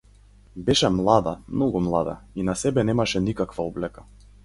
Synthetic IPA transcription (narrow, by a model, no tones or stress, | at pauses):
bɛʃɛmlˠad̪amnɔɡumlˠad̪a̰inasɛbɛnɛmaʃɛnikakvaɔblɛka